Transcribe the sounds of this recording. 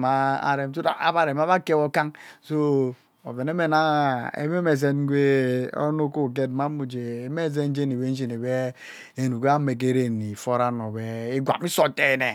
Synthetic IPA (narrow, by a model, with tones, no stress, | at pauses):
ma˨a̰˨ɾe˨mt̬u˦ta̰˨a̰˨βa˨ɾe˨m˦a˦βa˦ke˦o˦ka˦ŋso˦ | o̰˨ve˨ne˦me˨na˦ḛ˨˦me˦me˨z̬e˦n˦ɡʷe˦o̰˦no˦ko˦˨k̬e˦dma˦mu˨d͡ʒe˨˦me˦˨z̬e˦n˦d͡ʒe˦ni˨βe˦n̩˦d͡ʒi˨ne˨be˦ | e˨nu˨ɡe˦a˦me˨k̬e˦ɾe˦˨ni˨fo˦ɾa˦no˨be˦i˦ɡʷa̰˨mi˦so˦te˦˨ne˨